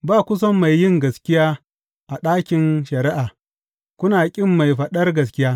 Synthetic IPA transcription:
baː˦kʷʊ˦s̬ɐ˦mːa˨jːɪ˦˨ŋɡɐ˨skʲɪ˦jaː˦ | ʔa˨ɗaː˦kʲɪ˨nʃɐ˨ɾɪ˦ʔaː˨ | kʷʊ˦naː˨kʲʼɪ˦mːa˨jɸɐ˨ɗɐ˦rɡɐ˨skʲɪ˦jaː˦

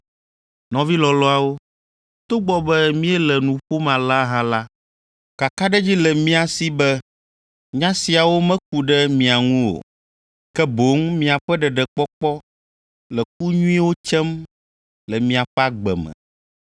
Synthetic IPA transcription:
nɔ̃˨vi˦lɔ˨lɔ˦a˨wo˦ | t̪o˦ɡ͡bɔ˨bɛ˦mĩ˦ɛ˦lɛ˨nũ˨ɸo˦mã˨la˦ɦã˦la˦ | ka˨ka˦ɖɛ˦d͡ʑi˦lɛ˨mĩ˦a˨si˦bɛ˦ | ɲã˦si˨a˨wo˦mɛ̃˦k̚u˨ɖɛ˦mĩ˨a˨ŋũ˦wo̰˨ | kɛ˦bo˨˦ŋmĩ˦a˨ɸɛ˦ɖɛ˨ɖɛ˨k͡pɔ˦k͡pɔ˦ | lɛ˨k̚u˦ɲũ˦i˦wo˦t͡ʃɛ˦m | lɛ˨mĩ˦a˨ɸɛ˦a˦ɡ͡bɛ̰˨mɛ̰̃˨

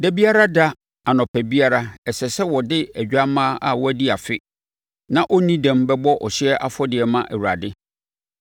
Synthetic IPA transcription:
dɛ˦bi˦a˦ɾa˦da˦ | a˨nɔ̃˨pʰæ˨bi˦a˦ɾa˦ɛ˨sɛ˨sɛ˦wɔ˨dɪ˦æ˨d͡ʑᶣa˦mã˦a̰˦˨wɔ˦æ˦di˦a˨fɪ˦ | nã˦˨ʔɔ˦nĩ˦dɛ̃˦˨mbɛ˦bɔ˦ʔɔ˨ɕɪ˦ɛ˦ʔa˦fɔ˦dɪ˨ɛ˨mã˦ʔæ̰˨wu˨ɾa̰˨dɪ˦

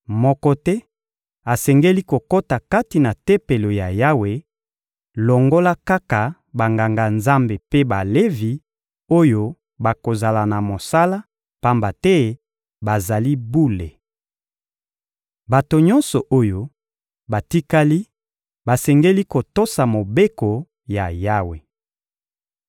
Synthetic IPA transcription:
mɔ˦kɔ˦tɛ˦ | a˨sɛ˨ŋɡe˦li˦ko˨ko˦ta˨ka˦ti˨na˨tɛ˦pe˨lo˨ja˨ja˦we˨ | lɔ˨ŋɡo˦la˦ka˦ka˨ | ba˨ŋɡa˨ŋɡa˨nza˦mbe˨pe˦ba˨le˦vi˨ | o˦jo˦ | ba˨ko˨za˨la˨na˨mo˨sa˦la˦ | pa˦mba˨tɛ˦ | ba˨za˨li˦bu˦le˨ | ba˨to˨ɲɔ˦nsɔ˨ʔo˦jo˦ | ba˨ti˦ka˦li˦ | ba˨sɛ˨ŋɡe˦li˦ko˨to˦sa˨mo˨be˦ko˨ | ja˨ja˦we˨

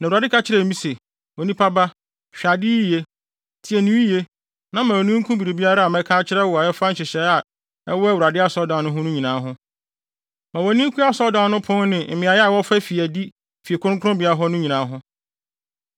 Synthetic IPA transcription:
nã˨ɾa˨dɪ˦kʰa˦t͡ɕʰɪ˦ɾɛ˨mĩ˦se˨ | wɔ˨nĩ˦pʰa˦ba˦ | ɕᶣa˨dɪ˦i˦˨je˦ | tʰi˨ɛ˨nĩ˨˦i˦je˦ | nã˦mã˨ɔ˨nĩ˦ŋ̩˦kʰũ˦bi˨ɾi˨bi˦a˦ɾa˦a˨mɛ̃˦kʰa˦t͡ɕʰɪ˦ɾɛ˦wɔ˨a˨ɛ˦fã˦ɲ̩˦t͡ɕʰɪ˨ɕɛ˨˦a˨ | ɛ˦wɔ˦ɛ˦wu˨ɾa˨dɪ˦a˦sɔ˨˦dã˨˦nʊ̃˦ɦʊ̃˦nʊ̃˦ɲĩ˨nãː˨˦ɦʊ̃˦ | mã˨wɔ˨nĩ˦kʰu˦a˦sɔ˦dã˨˦nʊ̃˦pʰʊ̃˦n˦nɪ̃˨m̩˨mɪ̃˨a˨˦jɛ˦a˦˨wɔ˦fɛ˦fi˨æ˨di˦ | fi˨e˨kʰʊ̃˦ŋ˦kʰʊ˦ʊ̃˦bi˨a˦ɾa˦ɦɔ˦nʊ̃˦ɲĩ˨nãː˨˦ɦʊ̃˦

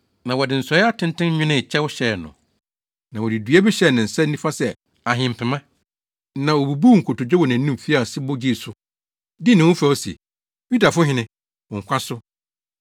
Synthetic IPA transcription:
nã˨wɔ˨dɪ˨n̩˨sɔ˨˦ɛ˦a˦tʰɪ̃˦ntɪ̃˦n˦ɲʊ̃˦nɪ̃˦˨t͡ɕʰɛ˦wʊ˦ɕɛ˨nʊ̰̃˨ | nã˨wɔ˨dɪ˨dɥɛ˦bɪ˦ɕɛ˦˨nɪ̃˨n̩˨sɛ˦n̩˦nĩ˦fa˦sɛ˨ | a˨ɦɪ̃˨m̩˨pʰɪ̃˨mã˦ | nã˨o˨bu˨bu˦˨ŋ̩˨kʰʊ˨tʊ˨d͡ʑᶣɛ˦wɔ˨nã˨n̩ː˦ũ˦m˨fi˦a˦˨sɪ˦bʊ˦d͡ʑi˦˨sʊ˨ | dɪ˦nɪ̃˨wʊ̃˦fa˨ɔ˦sḛ˨ | ju˦da˨fʊ̃˦hɪ̃˦nɪ̃˦ | ɔ̃˨ŋ̩˨kʷʰã˦sʊ˦

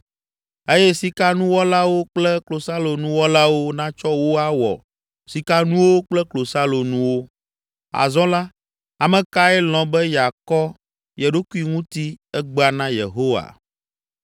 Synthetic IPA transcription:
e˦jɛ˦si˨ka˦nũ˦wɔ˦la˦wo˦k͡plɛ˦klo˨sa˦lo˨nũ˦wɔ˦la˦wo˦nã˦t͡ʃɔ˦wo˦a˦wɔ̰˨ | si˨ka˦nũ˦wo˦k͡plɛ˦klo˨sa˦lo˨nũ˨wo˦ | a̰˨zɔ̃˦la˦ | a˨mɛ̃˨ka˦ɛ˦l̃ɔ̃˨bɛ˦ja˨kɔ˦ | je˨ɖo˦ku˦i˨ŋũ˦t̪i˦ɛ˦ɡ͡ba˨nã˦jḛ˨ɦo˦wa̰˨

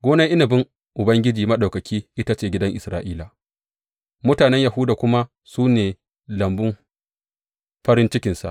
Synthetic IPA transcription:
ɡʷoː˦na˦ʔɪ˦na˨bɪ˦ŋ | ʔʊ˨bɐ˦ŋɡʲɪ˦d͡ʒiː˨mɐ˦ɗa˨wkɐ˨kʲʰiː˦ʔɪ˦ta˦t͡ʃeː˨ɡʲɪ˦dɐ˦ŋʔɪ˨sɾaː˨ʔiː˦la˨ | mʊ˦taː˨nɛ˦ɲja˨hʊ˦daː˨kʷʊ˦ma˦ | suː˦neː˨ | lɐ˨mbʊ˦m | ɸɐ˦ɾɪ˦nt͡ʃɪ˦kʲɪ˨nsa̰˨ʔ

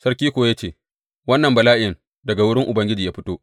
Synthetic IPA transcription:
sɐ˦rkʲiː˦kʷoː˨ja˦t͡ʃeː˦˨ | wɐ˦nːɐ˨mbɐ˨laː˦ʔɪ˦jɪ˨ŋ | dɐ˨ɡa˨wʊ˦ɽɪ˦ŋʔʊ˨bɐ˦ŋɡʲɪ˦d͡ʒi˨jaː˦ɸɪ˦toː˦

